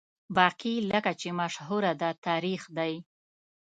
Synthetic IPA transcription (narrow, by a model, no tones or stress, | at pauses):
bɑqiləkat͡ʃemaʃɦuɾad̪at̪ɑɾixd̪aj